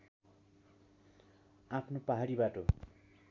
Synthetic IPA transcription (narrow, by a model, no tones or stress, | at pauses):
apʰnopaɦaɽibaʈo